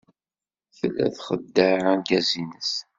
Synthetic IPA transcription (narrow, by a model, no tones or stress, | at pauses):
θəlːæ̰θχəd̪ːəʕænɡæzinəs